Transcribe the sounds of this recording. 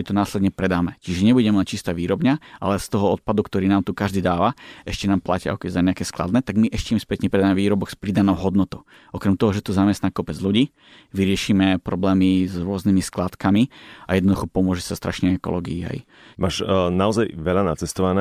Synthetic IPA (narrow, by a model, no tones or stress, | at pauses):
it̪ɔnaːslɛd̪ɲɛpɾɛd̪aːmɛcɛʒɛɲɛbuɟɛmɛmac̚t͡ʃist̪aːʋiːɾɔbɲaʔa̰lɛst̪ɔɦɔɔt̪̚pad̪ukt̪ɔɾiːnaːmt̪ukaʒd̪iːd̪aːʋaɛʃcɛnaːmplacia̰ɔkɛɛzaɲɛakɛːsklˠa̰d̪nɛːt̪aɡmiʔɛʃcɛimspɛt̪ɲɛpɾɛd̪aːmɛʋiːɾɔbɔɡspɾid̪anɔʊɦɔd̪nɔt̪ɔʊ | ɔkɾɛmt̪ɔɦɔʒɛt̪ɔzamɛst̪naːkɔpɛd͡zluɟiː | ʋiɾɪɛʃiːmɛpɾɔblɛːmizɾʊɔznimisklat̪kamia̰jɛd̪nɔd̪uxɔpɔmʊɔʒɛsast̪ɾʔa̰ʃnɛɛkɔ̰lɔ̰ːɡḭːa̰j | maːʃnaɔzajʋɛlanat͡sɛst̪ɔʋana